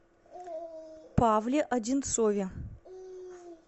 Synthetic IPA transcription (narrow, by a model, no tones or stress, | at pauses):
pʰavlʲeʔɐdʲint̪sovʲe